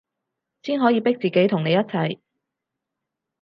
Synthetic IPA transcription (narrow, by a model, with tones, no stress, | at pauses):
siː˥nɦɔː˨˥jiː˨˧pɪ˥k̚t͡siː˨˩ke˨˥jt̪ʰʊ˨˩ŋne˨˧jɐ˥t̚t͡sʰɐ˨˩j